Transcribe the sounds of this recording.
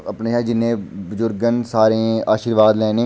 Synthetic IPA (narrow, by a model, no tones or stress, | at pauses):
əpneʃaːid͡ʒɪnẽbʊzʊɾɡənsaːɾẽaːʃiːɾʋaːd̪lɛːnẽː